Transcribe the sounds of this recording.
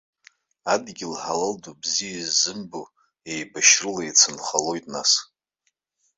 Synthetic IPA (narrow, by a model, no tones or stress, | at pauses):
adɡʲɪlħalaldubzijazɨmbu | ejbaʃrɨlajt͡sʰɨnχalo̞jtʼna̰s